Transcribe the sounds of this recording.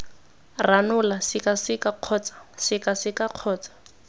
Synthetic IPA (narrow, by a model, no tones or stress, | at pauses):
ranʊlasɪkasɪkaq͡χʰɔːt͡sḁsɪkasɪkaq͡χʰɔːt͡sḁ